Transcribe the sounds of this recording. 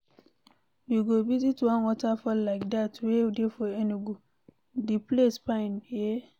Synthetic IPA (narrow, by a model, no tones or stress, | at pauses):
wiɡobizitwãnwɔtafɔllaɪk̚datwewidefɔeniɡu | diplespãɪ̃nje